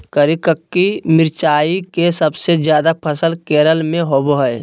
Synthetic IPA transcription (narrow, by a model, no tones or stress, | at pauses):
kəɾikəkːimɪɾt͡ʃaːikesəbsed͡ʒjaːd̪apʰəsəlkeːɾəlmẽɦoːboɦəe